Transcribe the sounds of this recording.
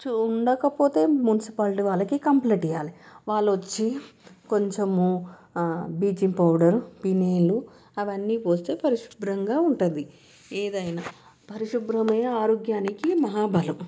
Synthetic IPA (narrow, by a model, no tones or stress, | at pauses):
t͡ʃuuɳɖɐkɐpo̞ːt̪e̞ːmunisipaːlʈiʋaːɭːɐkikɐmpleːʈijaːliʋaːɭːɐʋɐt͡ʃːiko̞ɲt͡ʃemu | biːd͡ʒipɐwɖɐɾupineːlu | ɐʋɐnːiːpoːst̪e̞ːpɐɾiʃu̥bɾɐŋɡaːuɳʈund̪i | eːd̪ɐjinaː | pɐɾiʃubɾɐmeaːɾoːɡjaːnikimɐɦaːbɐlu